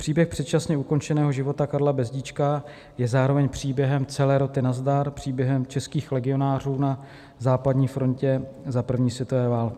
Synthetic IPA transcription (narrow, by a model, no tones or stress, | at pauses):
pr̝̥iːbjɛxpr̝̥ɛt̪̚t͡ʃasɲɛuko̞nt͡ʃɛnɛːɦo̞ʒɪvo̞t̪akaɾlabɛzɟit͡ʃka | jɛzaːɾo̞vɛɲpr̝̥iːbjɛɦɛmt͡sɛlɛːɾo̞t̪ɪnazd̪aɾpr̝̥iːbjɛɦɛmt͡ʃɛskiːxlɛɡɪo̞naːr̝uːna | zaːpad̪ɲiːfɾo̞ncɛzapr̩vɲiːsvjɛt̪o̞vɛːvaːlkɪ̥